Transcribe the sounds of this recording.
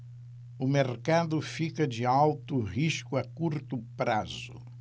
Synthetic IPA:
ʊmeɾkad̪ʊfikɐd͡ʒɪawt̪ʊʁiʃkʊɐkuɾt̪ʊpɾazʊ̰

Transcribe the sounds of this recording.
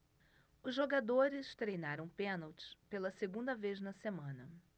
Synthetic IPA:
ʊzʒoɡad̪oɾɪst̪ɾejnaɾɐ̃w̃pẽnawt͡ʃɪ̥pelɐseɡũnd̪ɐveznɐsemɐ̃nɐ

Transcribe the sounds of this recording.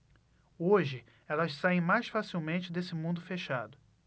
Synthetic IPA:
oʒɪ | ɛlɐʃsaẽj̃majsfasiwmẽnt͡ʃɪd̪esɪmũnd̪ʊfeʃad̪ʊ

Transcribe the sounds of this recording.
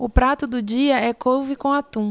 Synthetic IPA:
ʊpɾat̪ʊd̪ʊd͡ʒiɐɛkovɪkõɐt̪ũ

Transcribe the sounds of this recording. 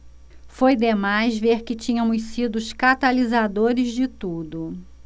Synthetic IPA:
fojd̪emajzveɾkɪt͡ʃĩɲɐmʊssid̪ʊʊskat̪alizad̪oɾɪzd͡ʒɪt̪ud̪ʊ

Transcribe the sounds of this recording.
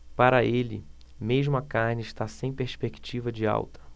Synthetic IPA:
paɾɐelɪ̰ | meʒmʊɐkaɾnɪɪʃt̪asẽj̃peɾspeki̥t͡ʃivɐd͡ʒɪa̰wt̪ɐ̥

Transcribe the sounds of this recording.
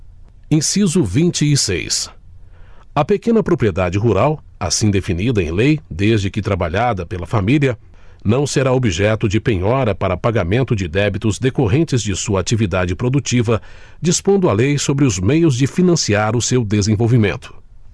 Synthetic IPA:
ẽj̃sizʊvĩnt͡ʃɪːsḛjs | ɐpekẽnɐpɾopɾied̪ad͡ʒɪɦuɾaw | a̰sĩd̪efinid̪ɐẽj̃lejd̪ezd͡ʒɪkɪt̪ɾabaʎad̪ɐpelɐfamiliɐ | nɐ̃w̃seɾaobiʒɛt̪ʊd͡ʒɪpẽɲɔɾɐpaɾɐpaɡamẽnt̪ʊd͡ʒɪd̪ɛbit̪ʊzd̪ekoɦẽnt͡ʃɪzd͡ʒɪsuɐat͡ʃivid̪ad͡ʒɪpɾod̪ut͡ʃivɐ | d͡ʒispõnd̪ʊalejsobɾɪʊzmejʊzd͡ʒɪfinɐ̃siaɾʊsewd̪ezẽvowvimẽnt̪ʊ̥

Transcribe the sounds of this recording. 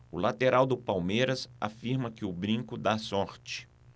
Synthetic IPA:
ʊlat̪eɾʔawd̪ʊpawmejɾɐsa̰fiɾmɐkɪʊbɾĩŋkʊd̪asɔɾt͡ʃɪ̥

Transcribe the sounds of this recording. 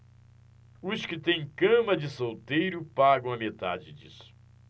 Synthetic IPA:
ʊskɪt̪ẽj̃kɐ̃mɐd͡ʒɪsowt̪ejɾʊpaɡɐ̃w̃ɐmet̪a̰d͡ʒɪd͡ʒisʊ̥

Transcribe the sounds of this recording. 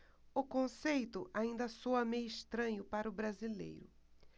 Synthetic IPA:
ʊkõsejt̪ʊʔaĩnd̪ɐsowɐmẽjɪʃt̪ɾɐ̃ɲʊpaɾʊbɾazilḛjɾʊ̰

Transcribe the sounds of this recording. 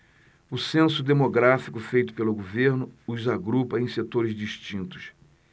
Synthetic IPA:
ʊsẽsʊd̪emoɡɾafikʊfejt̪ʊ̥pelʊɡoveɾnʊʊzaɡɾupɐẽj̃set̪oɾɪzd͡ʒiʃt͡ʃĩnt̪ʊ̥s

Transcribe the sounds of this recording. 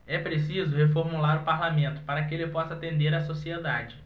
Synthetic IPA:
ɛpɾesizʊhefoɾmulaɾʊpaɾlamẽnt̪ʊ̥paɾɐkɪelɪpɔsɐat̪ẽnd̪eɾasosied̪ad͡ʒɪ

